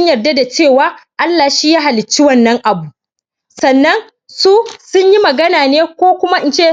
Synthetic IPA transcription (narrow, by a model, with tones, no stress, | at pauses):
ɲjɐ˨rda˦da˨t͡ʃeː˦˨waː˦ʔa˦lːaː˨ʃiː˦jaː˦ɦa˨lɪ˨t͡ʃːi˦wɐ˦nːɐ˦ŋʔa˨bu˨ʔ | sɐ˨nːɐ˦n | su˦sʊ˦ɲji˦mɐ˨ɡɐ˦naː˨neː˦kʷoː˦kʷʊ˦ma˦ʔɪ˨nt͡ʃeː˦˨